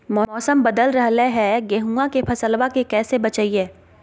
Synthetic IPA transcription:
mɔːɔːsəmbɐd̪əlɾɐɦleɦɛɡeɦuːakepʰɐsəlʋakekɛːsebɐt͡ʃəiɦɛː

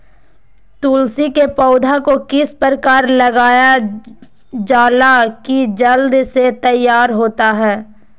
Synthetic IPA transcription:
t̪uːlsikepɔːʊd̪ʱakokɪspəɾəkaːɾlɐɡaːja | d͡ʒaːlakid͡ʒəld̪set̪əjːaːɾɦoːt̪aɦɛː

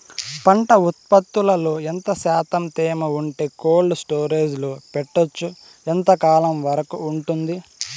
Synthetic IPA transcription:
pɐɳʈɐut̪̚pɐt̪ːulɐloːent̪ɐsaːt̪ɐmt̪eːmɐuɳʈeːkoːlɖsʈoːɾeːd͡ʒlupɛʈːot͡ʃːu | ent̪ɐkaːlɐmʋɐɾɐkuːɳʈund̪i

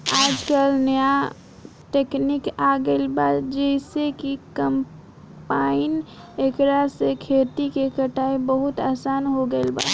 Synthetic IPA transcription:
aːd͡ʒkəlnja | ʈeknɪkaɡəlbaːt̪d͡ʒɛɪsekikəm | paːɪn | ekɾasekʰeːt̪ikekəʈaːebəɦʊt̪aːsaːnɦoɡəɪlba̰ː

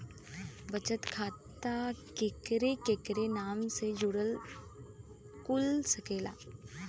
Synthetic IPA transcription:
bət͡ʃət̪kʰaːt̪akekɾekeːkɾenaːmsed͡ʒʊɽəl | kʊlsəkeːla̰ː

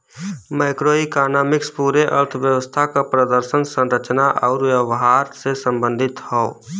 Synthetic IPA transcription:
məɪkɾoːikaːnaːmɪkspuːɾeʔə̰ɾt̪ʰəʋjəwəst̪ʰakapɾəd̪əɾsənsə̃nɾət͡ʃnaʔɔːɾʋjəʋɦaɾsesə̃mbə̃nd̪ʱɪt̪hɔ

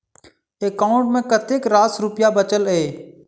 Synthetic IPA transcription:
ekaːʊ̃ɳʈmẽkət̪eːkɾaːsɾʊpjabət͡ʃəlɦeː

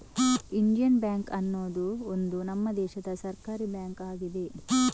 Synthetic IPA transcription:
ind͡ʒijɐnbjaːŋkɐnːoːd̪uond̪unɐmːɐd̪ɛːʃɐd̪ɐsɐɾkaːɾibjaːŋkaːɡid̪e̞

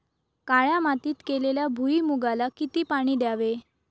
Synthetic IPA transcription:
kaɭjamat̪iːt̪keleljabʱuimuɡalakit̪iːpaɽ̃iːɖjaʋe

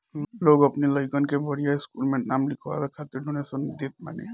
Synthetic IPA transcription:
loɡəpniləjkənkebʱəɽijaɪskulmenamlikʰa̰bekʰat̪iɾɖʱunesənd̪et̪̚ma̰nḛ

